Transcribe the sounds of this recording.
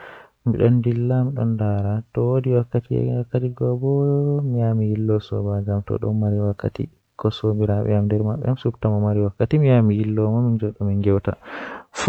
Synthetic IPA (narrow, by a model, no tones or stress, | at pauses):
mḭɗɔndilːamiɗɔ̰ndaɾatɔwodiwakːatḭwakːatiɡɔbɔmijamihilːɔsɔ̰bad͡ʒamtɔ̰ɗɔ̰nmaɾiwakːa̰tḭ | kɔsobiɾaɓɛ̰amdɛɾmaɓːɛ̰amsubtamɔmaɾiwakːatimijamihilːɔmamind͡ʒɔɗɔminɡɛwta̰f